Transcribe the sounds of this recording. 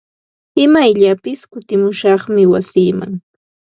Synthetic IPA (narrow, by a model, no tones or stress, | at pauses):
ɪmajʎapɪskʊt̪ɪmʊʃɑχmɪwasiːma̰ŋ